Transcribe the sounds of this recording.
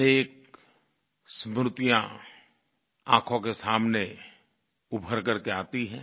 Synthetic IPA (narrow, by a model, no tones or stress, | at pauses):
eːk̚ | smɾʊt̪ijã | ã̰ːkʰõkesaːmne | ʊbʱəɾkɐɾkeaːt̪iɦɛː